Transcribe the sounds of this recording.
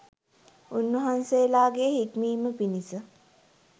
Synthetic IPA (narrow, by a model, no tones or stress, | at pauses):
unʋəɦanseːlaːɡeɦikmiːməpinisə